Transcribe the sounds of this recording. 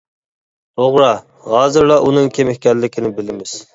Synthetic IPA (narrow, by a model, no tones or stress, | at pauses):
ɾoʁɾɑ | ʁɑːzɨɾlˠɑʔunɨŋkʲʰemɪhʲkʲɛllːɪkʲʰinɪbɪlɪmɪz̥